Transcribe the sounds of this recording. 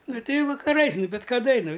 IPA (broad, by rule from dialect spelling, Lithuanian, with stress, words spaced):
ˈnʊ ˈtʲɛɪ ˈjɛʊ ʋɐkɐˈrɐɪs ˈnʊ bʲɪt kɐˈdɐ ɪ ˈnʊ